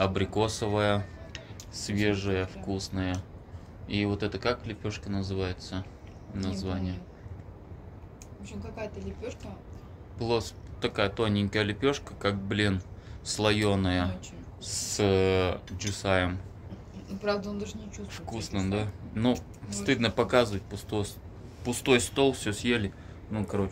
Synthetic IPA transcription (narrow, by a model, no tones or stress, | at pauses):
ɐbɾʲɪko̞səvəjə | svʲe̞ʐɨjəfkusnəjə | ivo̞t̪ɛt̪əkaklʲɪpʲo̞ʂkʲɪnəzɨvajɪt̪sə | nɐzvanʲɪjə | vopɕʲɪmkɐkajət̪əlʲɪpʲoʂkə | plˠost̪ɐkajət̪o̞nʲɪŋʲkəjəlʲɪpʲo̞ʂkəkak̚blʲinslˠɐjonəjə | s | d͡ʒɨsajəm | pɾavd̪əond̪aʐɨnʲɪt͡ɕustfkusnɨmd̪anu | sst̪ɨd̪nəpɐkazɨvət̚ʲpʊst̪ojs | pʊst̪o̞jst̪o̞lˠfsʲɵsʲjelʲɪ | nukɐɾo̞t͡ɕ